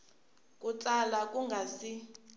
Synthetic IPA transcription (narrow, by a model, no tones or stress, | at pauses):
kʼut͡salakʼuŋɡʱasi